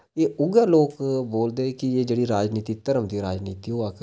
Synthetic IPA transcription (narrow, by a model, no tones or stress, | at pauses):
eːʊɡaːloːkboːld̪eːkɪeːd͡ʒeːɽiːɾaːd͡ʒniːt̪iːt̪əɾəmd̪iːɾaːd͡ʒniːt̪iːɦoaːk